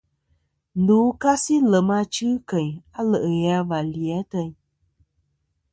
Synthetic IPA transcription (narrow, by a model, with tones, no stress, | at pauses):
n̩du˨˦ka˦si˦lə˨ma˧t͡ʃɨ˦kə˨ɲa˦lə˨ʔə˨ɣa˧˦va˨ljɛ˨˦tə˧ɲ